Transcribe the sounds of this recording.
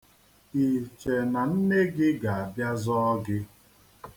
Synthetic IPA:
i˨t͡ʃe˨na˨n̩˦ne˦ɡɪ˦ɡa˨a˨bja˦zɔ˦ɔ˦ɡɪ˦

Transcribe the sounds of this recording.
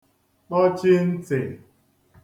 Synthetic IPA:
k͡pɔ˦t͡ʃi˦n̩˦t͡se˨

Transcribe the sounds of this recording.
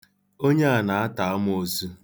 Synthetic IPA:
o˦ɲe˦a˨na˨a˦ta˨a˦m˦o˦zu˦

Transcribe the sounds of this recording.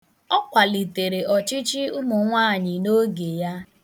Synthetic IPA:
ɔ˦kʷa˨li˨te˨ɾe˨ɔ˨t͡ʃi˦t͡ʃi˦ʊ˦mʊ˨ŋʷaː˦˨ɲɪ˨no˦ɡe˨ja˦

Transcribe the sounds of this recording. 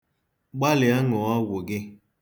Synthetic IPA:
ɡ͡ba˦lɪ˨a˦ŋɔ˨a˦wʷʊ˨ɡɪ˦

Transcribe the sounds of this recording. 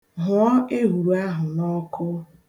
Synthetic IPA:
ɦʊ˨˦ɔ˦e˦ɦu˨ɾu˨a˦ɦʊ˨nɔ˦kʊ˦

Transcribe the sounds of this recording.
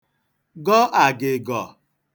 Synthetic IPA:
ɡɔ˦ʔa˨ɡɪ˨ɡɔ˨

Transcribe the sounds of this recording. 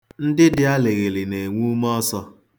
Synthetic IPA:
n̩˦dɪ˦dɪ˦a˦lɪ˨ɣe˨lɪ˨ne˨ŋʷu˦m˦ɔ˦sɔ˦

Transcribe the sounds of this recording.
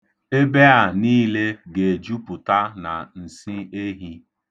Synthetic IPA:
e˦be˦a˨niː˦le˦ɡe˨d͡ʒu˦pʊ˨ta˦na˨n̩˨si˦e˦ɦi˦

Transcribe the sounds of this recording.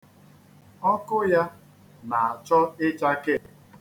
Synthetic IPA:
ɔ˦kʊ˦ja˦ | na˨a˨t͡ʃɔ˦ɪ˦t͡ʃa˦ke˦˨

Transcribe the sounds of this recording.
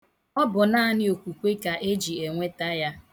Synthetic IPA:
ɔ˦bʊ˨naː˦nɪ˦o˨kʷu˨kʷe˦ka˨ʔe˦d͡ʒi˨e˨ŋʷe˦ta˦ja˦

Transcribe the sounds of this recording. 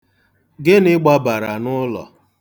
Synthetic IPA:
ɡɪ˦nɪ˦ɡ͡bɔ˦ba˨ɾa˨nʊ˦lɔ̰˨

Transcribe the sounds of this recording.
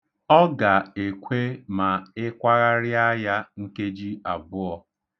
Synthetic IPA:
ɔ˦ɡa˨e˨kʷʰe˦ma˨ɪ˦kʷa˦ɣa˦ɾɪ˦a˦ja˦ŋ̩˦ke˦d͡ʒi˦a˨bʊ˦ɔ˦

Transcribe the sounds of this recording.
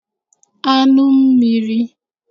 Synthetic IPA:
a˦nʊ˦m̩˦mi˨ɾi˦

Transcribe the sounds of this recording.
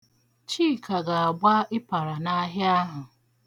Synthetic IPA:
t͡ʃiː˦˨kʰa˨ɡa˨a˨ɡ͡bʷa˦ɪ˦pa˨ɾa˨na˦ɦja˦ɦʊ˨

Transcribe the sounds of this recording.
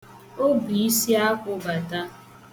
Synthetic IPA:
o˦bi˨i˦si˦a˦kʷʊ˨ba˨ta˦

